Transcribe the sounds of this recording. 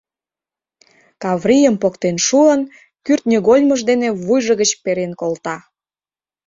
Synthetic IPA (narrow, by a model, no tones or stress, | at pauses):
kɑβrijəmpokt̪enʃuən | kyrt̪nʲeɣolʲməʒd̪eneβujʒəɣət͡ɕpeɾenkolt̪ɑ